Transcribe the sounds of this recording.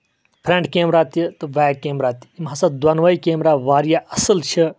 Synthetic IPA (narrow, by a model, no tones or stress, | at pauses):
pʰɾẽɳʈkeːmɾaːt̪it̪ɨʋaːkeːmɾaːt̪i̥imɦasɐd̪wɐnʋɐikeːmɾaːʋaːɾijaɐsəlt͡ʃʰi